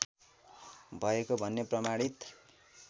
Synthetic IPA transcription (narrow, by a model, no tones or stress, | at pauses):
bʱʌekobʱʌnːeprʌmaɽit̪